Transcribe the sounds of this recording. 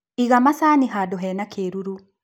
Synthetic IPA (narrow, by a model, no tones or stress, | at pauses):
iɣamasaːniɦadɔɦɛnakʰeːɾuɾu